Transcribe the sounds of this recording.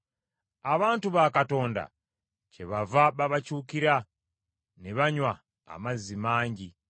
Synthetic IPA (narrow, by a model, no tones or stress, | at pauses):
aβaːntuβakato̞ːnda̰ | t͡ʃeβavaɓaβat͡ʃuːkiɾa | neβaɲwa̰ː | mazimaːɲɟi